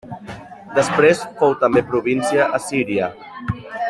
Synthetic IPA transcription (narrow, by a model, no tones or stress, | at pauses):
d̪əspɾesfowt̪əmbepɾuβinsiəʔəsiɾiə